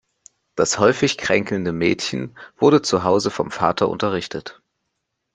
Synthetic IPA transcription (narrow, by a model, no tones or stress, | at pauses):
d̥ashɔʏfɪçkʁ̥ɛŋkl̩ndəmɛːtçn̩v̥ʊɐdət͡suɦaʊzəfɔmfa̰ːtʰɐʔʊ̰ntɐʁ̞ɪçtʰət